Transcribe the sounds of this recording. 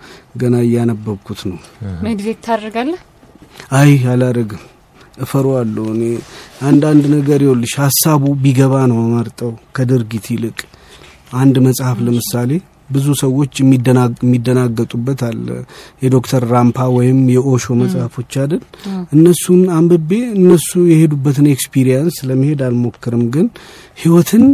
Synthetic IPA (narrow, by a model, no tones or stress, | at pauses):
ɡənaɨjːanəbːəβkʰut̪nəwməɡzet̪ʰːadːəɡalːə | ajalaɾəɡəm | ʔɨfəɾoalːəwɨneʔand̪and̪nəɡəɾjolːɨʃhasːaβubiɡəβanəwməɾt̪ʼəwkʰəd̪ɨɾɡit̪ʰilɨkʼ | ʔand̪məsʼhafləmɨsale̞ | bɨzusəwːo̞t͡ʃːmːidəmːid̪ːənaɡːət̪ʼubːət̪alːə̰jɛd̪o̞kt̪ʰəɾːampʰawɔjɪmjɛʔo̞ʃo̞məsʼhəfo̞t͡ʃːad̪əlʔɨnːəsːunambɨbːe̞ɨnːəsujɛhe̞d̪ubːət̪ɨnekspʰiɾijansləmːihe̞d̪almo̞kːɨɾɨmɡɨn | hiwɔt̪ʰɨn